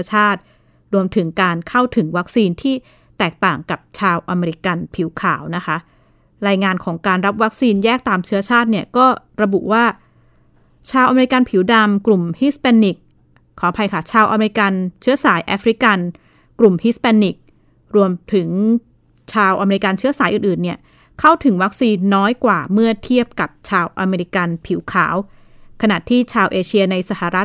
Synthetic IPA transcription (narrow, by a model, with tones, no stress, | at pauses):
ɐt͡ɕʰaː˥˩t̪̚ | ɾu˧əmt̪ʰɯ˩˦ŋkaː˧nkʰa˥˩wt̪ʰɯ˩˦ŋwa˦˥k̚siː˧nt̪ʰiː˥˩ | t̪ɛː˨˩k̚t̪aː˨˩ŋka˨˩p̚t͡ɕʰaː˧wʔa˧me˧ɾi˧˥ka˧npʰi˩˦wkʰaː˨˩˦wna˦˥kʰa˦˥ | ɾaː˧jŋaː˧nkʰɔː˩˦ŋkaː˧nɾa˦˥p̚wa˦˥k̚siː˧njɛː˥˩k̚t̪aː˧mt͡ɕʰɯ˦˥ɐt͡ɕʰaː˥˩t̪̚ni˥˩ɐkɔː˥˩ɾa˧bṵ˨˩ʔwaː˥˩ | t͡ɕʰaː˧wʔa˧me˧ɾi˧˥ka˧npʰi˩˦wda˧mklu˨˩mhi˦˥spɛː˧nːi˨˩k̚ʰː | ɔː˩˦pʰa˧jkʰa˥˩t͡ɕʰaː˧wʔa˧me˧ɾi˧ka˧nt͡ɕʰɯ˦˥ɐsaː˩˦jʔa˦˥fɾi˦˥ka˧n | klu˨˩mhi˦˥spɛː˧nːi˨˩k̚ | ɾu˧əmt̪ʰɯ˩˦ŋ | t͡ɕʰaː˧wʔa˧me˧ɾi˦˥ka˧nt͡ɕʰɯ˦˥ɐsaː˩˦jʔɯː˨˩nʔɯː˨˩nːi˥˩ɐ | kʰa˥˩wt̪ʰɯ˩˦ŋwa˦˥k̚siː˧nːɔː˦˥jkwaː˨˩mɯ˥˩ɐt̪ʰi˥˩əp̚ka˨˩p̚t͡ɕʰaː˧wʔa˧meː˧ɾi˧˦˥ka˧npʰi˨˩˦wkʰaː˩˦w | kʰa˧na̰˨˩t̪ʰiː˥˩t͡ɕʰaː˧wʔeː˧t͡ɕʰi˧ɐna˧jsa˧˩ha˨˩ɾa˦˥t̪̚